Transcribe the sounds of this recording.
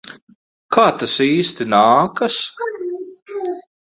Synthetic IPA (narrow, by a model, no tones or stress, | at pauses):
kʰaːt̪asiːst̪inaːkɐs